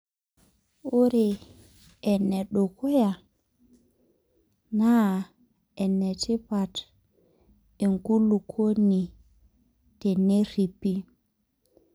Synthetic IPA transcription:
o˦ɾeː˨ | nːɛ˨ɗɔ˨kʰɔ˦ja˨ | na˦ | ɛ˨nːɛ˨ti˦pa˨t | i˨ŋku˦lu˨kʰo˦ni˨ | tɛ˨ne˦ɾi˨pːi˦

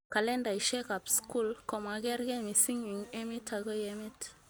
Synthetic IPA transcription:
ka˨lɛ˦nda˨i˨ʃɛ˦ka˨psku˦lkɔ˨ma˨ɡɛ˦ɾɡɛ˦mi˨si˦ŋi˨ŋe˦mi˦tʰa˨ɡo˦jɛmi˦t

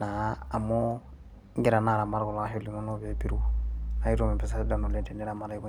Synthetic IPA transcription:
naː˨mo˦ | ŋɡɛ˦ɾa˨na˨ɾa˨ma˨ɾɡɔ˨la˦ɦo˦li˨mo˦no˦βe˨bi˦ɾuɔ˨na˨˦i˦ɾo˦mɛ˨pɛ˨sa˦da˨no˨lɛ˦˨tɛ˨nɛ˦ɾa˨ma˨ɾi˦ko˦

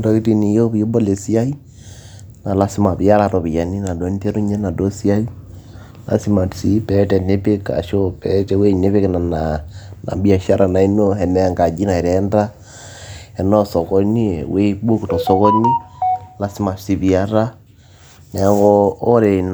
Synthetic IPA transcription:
dɔ˨˦ki˦ti˦ni˨jo˦bjo˦bo˦le˨si˦a˦i˦ | na˨la˦si˦ma˨bi˨ja˦ɾa˨ɾɔ˨bi˨ja˨ni˦na˨dɔ˨˦n˦te˦ɾu˦ɲɛ˦na˨do˦si˦a˦i˦ | la̰˨˦si˦ma˨tsi˦pɛ˦tɛ˨ne˦pe˦ka̰˨ʃo˦pɛ˦tɛ˨we˦ne˦βe˦kna˨nana̰˨bi˦a˨ʃa˦ɾʔa˨na˨i˦no˦ɛ˨nɛ˦ŋɡa˨d͡ʒi˦na˨i˨ɾɛ˨˦nda˦ | ɛ˨nɔ˦sɔ˨kɔ˦nḭ˦˨we˦bo˦ku˨tɔ˨sɔ˦kɔ˦ni˦la˦si˦ma˨si˨bi˨a˦ɾa˦ | nɛ˨˦kɔː˦ɾe˨n

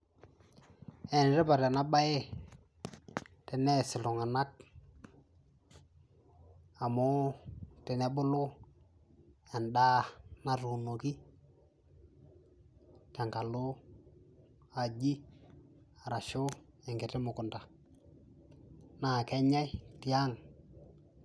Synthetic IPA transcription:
ɛ˨n˨ɾɛ˦pa˨ɾa˨na˦ba˦e˦ | tɛ˨nɛ˦˨sɪ˨lʊ˨ŋa˨na˦k̚ | a˨mo˦tɛ˨nɛ˦bʊ˦lʊ˦ | a˨nda˦na˦tu˨no˨ki˦ | ta˨ŋka˨lʊ˦ | a˨d͡ʒi˦ | a˨ɾa˨ʃʊ˦ɛ˨ŋɡɪ˨tɪ˦mʊ˨kʊ˨nda˨ | na˨kɛ˦ɲa˦i˦ti˦a˦ŋ

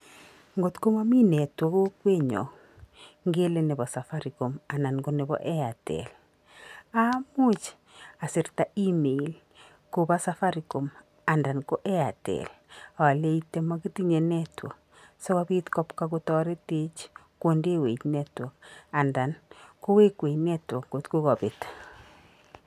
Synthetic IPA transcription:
ŋɡo˨tko˦ma˦mi˦nɛ˨twɔ˦ko˦kwe˦ɲɔ̰˨ | ŋɡe˦le˦ne˨bɔ˨sa˨fa˦ɾi˨ko˨ma˨na˨nko˨ne˨bɔ̰ʔɛ˦a˨tɛ̰l | a˦mu˦t͡ʃ | a˨si˨ɾta˨i˦me˨i˨l | ko˨ba˦safa˦ɾiko˨m | a˨nda˨nko˦ʔe˦a˨tɛ̰la˨wa˨le˦itema˦ki˦ti˦ɲe˨nɛtwɔ̰˨k̚ | sɔ˦ka˦bi˦tkɔ˦pka˦kotɔ˦ɾe˦te˦t͡ʃ | ko˦nde˦we˨t͡ʃnɛ˦twɔ˨ka˨nda˨nko˦we˦kwe˨jnɛ˦twɔ˨kɡotko˦kɔ˨bɪ˨t

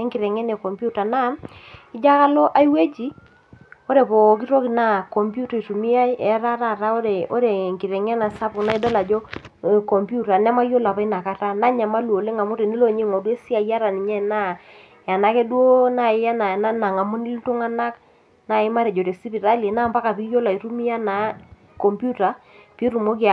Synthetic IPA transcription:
e˦ŋki˨ɾɛ˨ŋɛ˦ne˨kɔ˨mbu˦ta˨na˦i˦d͡ʒa˦ka˦lo˦ʔa˦i˦we˦d͡ʒi˦ | o˦ɾe˨po˨k̬i˦ɾo˦ki˨na˨kɔ˨mpju˦ta˨i˨tu˨mi˦a˦ɛ˨˦ɾa˦ɾa˦˨ɾa˦o˦ɾe˨o̰˦ɾe˨ŋki˨ɾɛ˨ŋɛ˦na˨sa˦pu˨kna˦i˦do˦la˨d͡ʒo˦˨ | kɔ˨mpju˦ta˨nɛ˦ma˦jo˦la˨pa˦i˦na˨ka˦ta˦na˦ɲa˨ma˦lwo˨le˦ŋa˨mo˦ɾe˨ni˦lo˨ɲe˦˨ŋɔ˨dwe˦si˦a˨ja˦ɾa˨ni˨ɲɛ˦na˦ | ja˨na˦ke˦dwo˦na˨˦ja˦na˨na˦na˨ŋa˨mo˦ni˦ltu˦ŋa˦na˦k | na˨ɪ˦ma˦ɾɛ˨d͡ʒo˨ɾe˨si˦pi˨ɾa˦li˨na˦˨mpa˦ka˨pi˦jo˦la˨i˨ɾu˦mi˦a˦na˨˦ | kɔ˨mpju˦ta˨pi˦ɾu˨mo˦ki˦˨

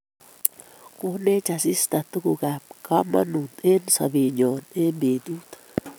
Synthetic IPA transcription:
ko˦ne˦t͡ʃa˨si˦st̪a˨t̪u˦ku˧ɡa˨p̚ka˦ma̰˦nu˨t̪e˦nsa̰˨bi˨ɲo˨ne˦mbi˨d̪u˦t̪

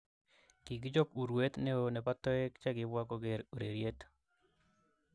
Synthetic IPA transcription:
ki˨ɡi˦d͡ʒɔ˦ku˨ɾwe˦t̪ne˦o˨nɛ˨pa˦t̪ɔ˦ɛ˦kt͡ʃa˦ɡɪ˦bwa˦kɔ˦ɡe˨ɾu˨ɾe˨ɾje˦t̪

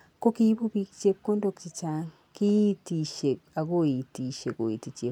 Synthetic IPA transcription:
ko˦kiβu˦βi˨ki̥t͡ʃe˦kko˦ndo˦ki̥t͡ʃi˨t͡ʃaː˦ŋ | ki˦itiʃe˨a˨ko˦ji˨ti˨ʃe˨ko̰˨ji˨ti˨t͡ʃe˨

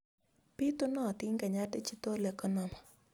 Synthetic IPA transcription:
pi˦t̪ʊ˦nɔ˦˨t̪ɪ˦ŋɡa˨ɲa˦tɛ˦t͡ʃi˦t̪o˦lɛ˨kɔ˦nɔ˨ma˨

